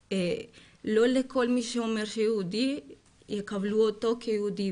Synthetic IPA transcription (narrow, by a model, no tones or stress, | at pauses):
e | lolekʰolmiʃomeɾʃeud̪i | ekavluot̪okʰeud̪i